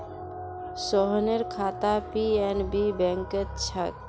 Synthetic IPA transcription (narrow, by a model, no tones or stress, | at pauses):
sɔɦneɾkʰaːt̪apienbibɛ̃ŋkət̪̚t͡ʃʰak̚